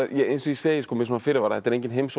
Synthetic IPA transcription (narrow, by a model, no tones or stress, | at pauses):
jɛɣensɔiseːjɪskʰɔmɪsnːafɪɾɪvaɾaðhɛt̪ɛɾẽjŋcɪnɦems